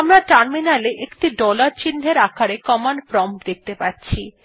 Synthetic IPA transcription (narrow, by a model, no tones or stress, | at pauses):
amɾaʈaɾminaleʔekʈiɖɔlaɾt͡ɕinːɦeɾakʰaɾekɔmanpɾɔmpd̪ek̚t̪epatːɕʰi